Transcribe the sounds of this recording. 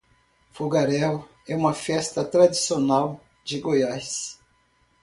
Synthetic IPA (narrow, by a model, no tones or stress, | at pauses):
fuɡaɾɛw | ɛũmɐfɛst̪ɐt̪ɾad͡ʒisionaw | d͡ʒɪɡojajs